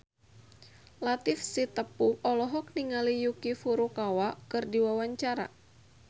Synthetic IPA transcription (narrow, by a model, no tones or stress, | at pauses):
lat̪ifsit̪əpuɔlɔɦɔk̚niŋalijukifuɾukawakɨrdiwawaɲt͡ʃaɾa̰